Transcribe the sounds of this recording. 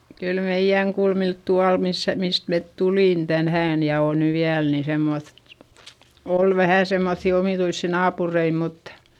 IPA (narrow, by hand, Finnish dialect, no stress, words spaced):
kyl meij̆æŋ kulmilt tuɑl misːæ mist met tuliˑn tænhæːn jɑ oˑn ny ʋiæl ni semːoθ oˑl ʋæhæˑ semːoθːi omiˑtuisːi nɑːpurei mutːɑ̥